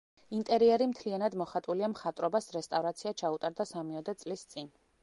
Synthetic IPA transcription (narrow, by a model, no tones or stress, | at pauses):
int̪ʼɛɾiɛɾimt̪ʰlianad̪mɔχat̪ʼuliamχat̪ʼɾɔbasɾɛst̪ʼavɾat̪sʰiat͡ʃʰaut̪ʼaɾd̪asamiɔd̪ɛt̪sʼlist̪sʼin